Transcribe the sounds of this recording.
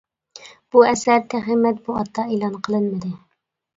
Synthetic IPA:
b̥uɛsæɾt̪ʰæχimɛt̪̚muɑt̪ʰːɑelˠɑnqʰəlˠɨnmɨd̪ɨ

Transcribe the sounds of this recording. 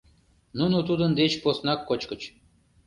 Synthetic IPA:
nunut̪ud̪ə̆nd̪et͡ɕposnɑkːot͡ɕkə̆t͡ɕ

